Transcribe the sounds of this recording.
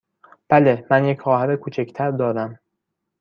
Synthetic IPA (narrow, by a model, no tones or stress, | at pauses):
b̥ælemænjecʰχɒːɦæɾekʰuːt͡ʃʰecʰt̪ʰæɾd̪ɒːd̪æm